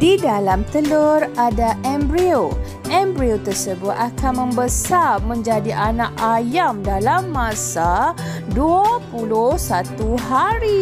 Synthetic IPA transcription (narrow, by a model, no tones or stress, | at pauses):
didalamt̪əluradaʔɛmbɾio | ʔɛmbɾiot̪ərsəbʊt̪̚akʰanmə̃mbəsamə̃ɲd͡ʒadiʔanãkʔajamdalamːãsaduapulʊhsat̪uɦaɾi